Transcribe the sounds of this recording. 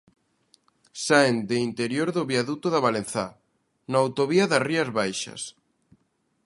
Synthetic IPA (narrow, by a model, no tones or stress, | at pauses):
saend̪eint̪eɾjoɾðʊβjaðut̪ʊðaβalenθa | naːwt̪oβiɐðɐriɐzβajʃɐ̰s